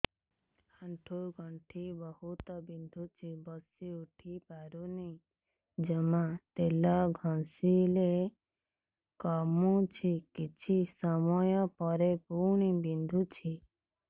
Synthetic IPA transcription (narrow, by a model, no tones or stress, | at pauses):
haɳʈʰuɡʱɔɳʈʰibɔhut̪ɔbind̪ʱut͡ʃʰibɔsiuʈʰipaɾuni | d͡ʒemat̪elɔɡʱɔ̃nsile | kɔmut͡ʃʰikit͡ʃʰisɔmɔjɔpɔɾepuɳ̃ibind̪ʱut͡ʃʰi